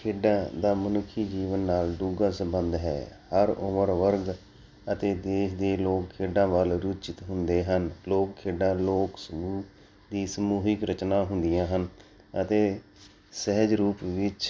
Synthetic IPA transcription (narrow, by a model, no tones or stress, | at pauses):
kʰeːɖãːd̪aːmənʊkʰːiːd͡ʒiːʋənːaːlɖuːɡãːsəbənd̪ɦɛ̰ːhəɾʊməɾʋəɾɡ | ət̪eːd̪eːʃd̪eːloːkkʰeːɖãːʋəlɾʊt͡ʃɪt̪ɦʊnd̪eːɦənloːkkʰeːɖãːloːksəɡuː | d̪iːsəmuːɦɪkɾət͡ʃnãːɦʊnd̪ɪjãːɦən | ət̪eː | səɦəd͡ʒɾuːpʋɪt͡ʃ